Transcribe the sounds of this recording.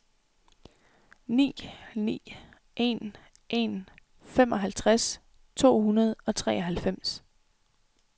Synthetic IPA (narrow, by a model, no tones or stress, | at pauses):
nḭːnḭː | ʔe̝n | ʔe̝n | fem̰ɒ̽ɦælt͡sʰʁas | t͡sʰo̝̰ːhunɐð̞ˠɒ̽t͡sʰʁɛ̰ːʔɒɦælfem̰s